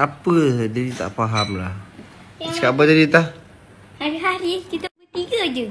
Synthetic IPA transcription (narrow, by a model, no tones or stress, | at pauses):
apəd͡ʒadit̪a̰ʔfaɦamlah | t͡ʃkabad͡ʒadit̪ah | haɾiɦaɾikit̪əbət̪iɡəd͡ʒə